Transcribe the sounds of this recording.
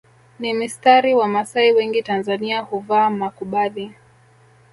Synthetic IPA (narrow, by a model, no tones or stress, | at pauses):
nimistaɾiwamasaiwɛŋɡitanzaniahuvaːmakuɓali